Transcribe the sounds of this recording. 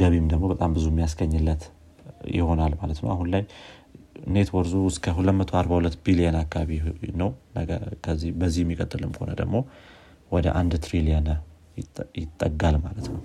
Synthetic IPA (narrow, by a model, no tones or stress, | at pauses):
ɡəβimd̪əɡmo̞bət̪ʼambɨzuɛmːijasɡəɲːɨlːət̪ | jɪ̰ho̞nalmalət̪nə̰wʔaɦunlaj | ɨ̰ne̞t̪wɔɾzuɨskʰəɦulːət̪mət̪ʰo̞aɾbahulət̪ːbilijanakːaβaβinəwnəəkʰəzːibəzːihɛmːikʼət̪ʼːɨlɨmho̞nə̰d̪ə̰ɡmo̞ | wɔd̪ə̰ʔand̪t̪ɾilijanə | jɪt̪ʼːəɡalmalət̪nəw